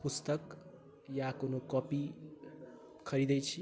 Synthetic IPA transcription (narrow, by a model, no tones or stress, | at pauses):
pust̪ʌk | jakonokʌpi | kʰʌɾid̪ʌjt͡sʰi